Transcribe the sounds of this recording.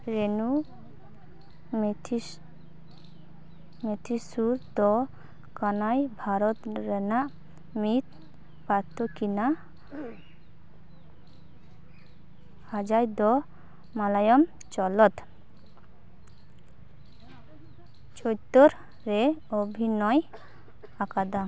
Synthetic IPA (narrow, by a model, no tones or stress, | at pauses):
ɾenu | met̪ʰi | met̪ʰisuɾd̪ɔ | kanajbʱaɾɔt̪ɾɛnaʔ | mit̪ | pat̪ʰːokina | ad͡ʒajd̪ɔ | malajɔm | t͡ʃɔlɔt̪ | t͡ʃojt̪ːoɾ | ɾeobʱinɔj | akad̪a